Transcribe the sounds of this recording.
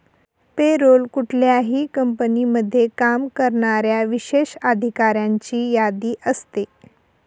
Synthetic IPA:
peɾolkuʈʰljaɦiːkəmpəniːməd̪ʱːjekamkəɾɳaɾjaʋiɕeɕad̪ʱikaɾjaɲt͡ɕiːjad̪iːʔəst̪e

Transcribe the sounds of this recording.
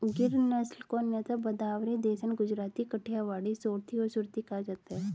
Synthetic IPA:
ɡɪɾnɐslkonjət̪abɐd̪aːʋɾid̪eːsənɡʊd͡ʒɾaːt̪ikəʈʰijaʋaːɽisoːɾt̪iɔsʊɾt̪ikad͡ʒaːt̪aɦɛ

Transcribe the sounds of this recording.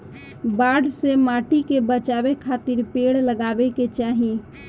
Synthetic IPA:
baɽsemaʈikebət͡ʃabekʰat̪iɾpeɽləɡabeket͡ʃaɦi

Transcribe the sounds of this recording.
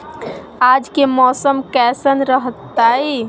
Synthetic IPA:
ad͡ʒkemɔsəmkɛsənɾəɦət̪ːai

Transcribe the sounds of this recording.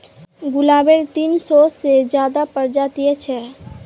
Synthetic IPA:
ɡulabeɾt̪insɔsed͡ʒjad̪apəɾd͡ʒat̪iɛt͡ʃʰɛ

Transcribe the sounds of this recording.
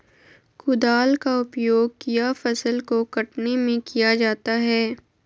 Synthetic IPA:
kʊd̪aːlkaʊpjoːɡ̚kijafɐsəlkokɐʈnemẽkijad͡ʒaːt̪aɦɛː

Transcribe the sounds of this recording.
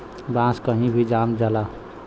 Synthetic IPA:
bãːskəɦĩbʱid͡ʒaːmd͡ʒala

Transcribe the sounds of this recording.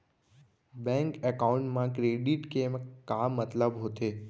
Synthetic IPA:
bɛ̃ːŋkɛkaʊ̃ɳʈmãkɾeːɖɪʈkemkamːət̪ləbɦot̪eː

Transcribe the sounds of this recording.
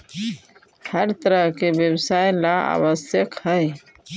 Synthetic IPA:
həɾt̪əɾəɦkebjəbsajlaa̰bəsjəkhəj

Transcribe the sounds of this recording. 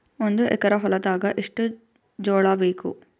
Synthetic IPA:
ond̪uʔɛ̰kɐɾɐɦɔlɐd̪aːɡɐʔiʂʈu | d͡ʒɔːɭaʋeːkṵ

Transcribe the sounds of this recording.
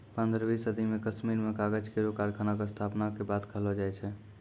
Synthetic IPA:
pə̃nd̪ɾbisəd̪ʱimekəsmiɾmekaɡəd͡ʒkeɾokaɾkʰanak̬est̪ʰapnakebad̪kʰəɦlɔd͡ʒajt͡ʃʰɛ

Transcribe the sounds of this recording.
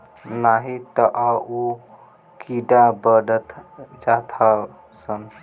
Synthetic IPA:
naɦit̪əʔau | kiɖabəɖət̪d͡ʒat̪ʰa | sən

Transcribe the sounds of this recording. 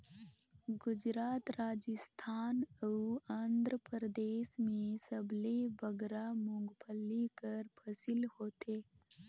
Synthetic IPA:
ɡʊd͡ʒɾaːt̪ɾaːd͡ʒɪst̪ʰaːnəand̪ɾəpəɾəd̪eːsmẽsəblebɐɡɾamʊ̃ŋɡpʰəlikəɾpʰɐsilhoːt̪eː

